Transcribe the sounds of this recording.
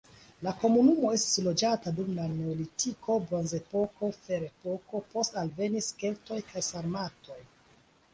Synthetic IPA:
lako̞munumo̞e̞sti̥slo̞d͡ʒatadumlane̞olitʰikʰo̞bɾonze̞po̞ko̞fe̞ɾe̞po̞ko̞po̞stalve̞niske̞lto̞jkʰajsaɾmato̞j

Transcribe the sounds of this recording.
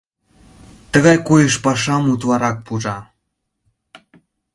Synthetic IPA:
t̪əɣɑjkojəʃpɑʃɑmut̪vɑɾɑk̚puʒɑ

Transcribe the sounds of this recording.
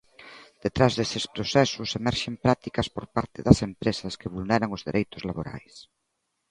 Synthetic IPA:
d̪̥et̪ɾazðesɪspɾosɛsʊsemɛɾʃempɾat̪ikɐspoɾpaɾt̪ɪðɐsempɾesɐskeβulnɛɾaŋʊzðeɾʔejt̪ʊzlaβoɾa̰js

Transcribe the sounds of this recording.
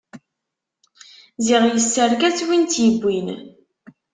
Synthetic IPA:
ziʁjəsːəɾkæt͡sːwint̪jəbːin

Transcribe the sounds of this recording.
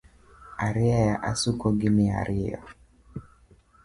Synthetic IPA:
aɾɪajaʔasukɔɡɪmɪa̰ɾɪɔ̰

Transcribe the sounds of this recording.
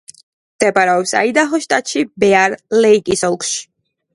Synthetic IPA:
md̪̥ɛpʼaɾaɔpsa̰id̪aχɔʃt̪ʼat̪ʼʃibɛaɾlɛikʼisɔlˠkʰʃi̥

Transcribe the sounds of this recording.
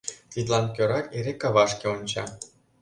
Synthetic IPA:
t̪id̪lˠɑnkʲøɾɑt̪ʲeɾekɑβɑʃkʲeonʲt͡ɕɑ̰

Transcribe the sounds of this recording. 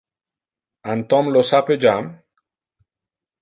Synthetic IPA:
ant̪ɔ̃mlosaped͡ʒam

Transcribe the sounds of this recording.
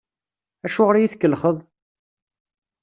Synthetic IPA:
æʃuʁəɾjiθkːəlχəðˤ

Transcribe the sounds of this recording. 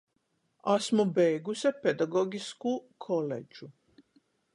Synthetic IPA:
asmobeːɡusaped̪aɡoɡiskukʰolḛd͡ʒu

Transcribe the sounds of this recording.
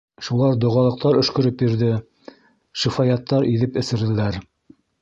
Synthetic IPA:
ʃulˠɑɾd̪ŏʁɑlˠɤ̆q̚t̪ɑɾɵ̆ʃkɵ̆ɾɵpjiɾðɘ | ʃifɑjɑt̪ːɑɾʔiðɘpɘ̆sɘ̆ɾɘ̆læɾ

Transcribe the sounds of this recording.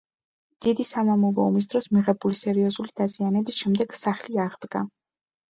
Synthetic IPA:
d̪̥id̪isamamɔlˠɔɔmis̬d̪̥ɾɔsmiʁɛbulisɛɾiɔzulid̪az̥ianɛbisʃɛmd̪ɛɡ̥saχliaʁd̪ɡa̰

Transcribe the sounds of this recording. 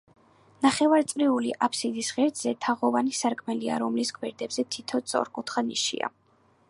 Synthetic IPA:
naχɛvaɾt̪sʼɾiuliʔapʰsid̪isʁɛɾd̪zɛt̪ʰaʁɔvanisaɾkʼmɛlia̰ɾɔmliskʰwɛɾd̪ɛbz̥ɛt̪ʰit̪ʰɔt̪sʼɔ̰ɾkʼut̪ʰχanḭʃḭa̰

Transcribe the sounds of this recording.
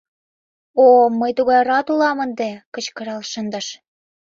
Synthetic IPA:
oməjt̪uɣɑjrɑt̪ulɑmə̆nd̪ĕkət͡ɕkɤ̆ɾɑlʃə̆nd̪ɤ̆ʃ

